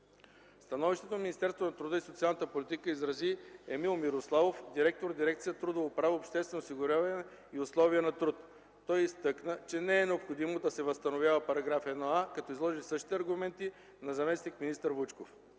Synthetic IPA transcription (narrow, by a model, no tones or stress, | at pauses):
st̪ɐnɔviʃt̪ɛt̪onɐminist̪ɛɾst̪vonɐt̪ɾʊd̪əisot̪sialˠnət̪əpolit̪ikəizɾɐziɛmilˠmiɾoslˠavofd̪iɾɛk̚t̪oɾd̪iɾɛk̚t̪sijət̪ɾud̪ovopɾavopʃt̪ɛst̪vɛnosiɡʊɾʲjavɐnɛ | iʊslˠɔviənɐt̪ɾut̪ː | ɔjist̪ɤknət͡ʃɛnɛɛnɛopxod̪imod̪ɐsɛvəst̪ɐnovʲjavəpɐɾɐɡɾafɛd̪noakɐt̪ɔizlˠɔʒisɤʃt̪i̥t̪ɛɐɾɡʊmɛnt̪i | nɐzɐmɛsnikminist̪əɾvut͡ʃkof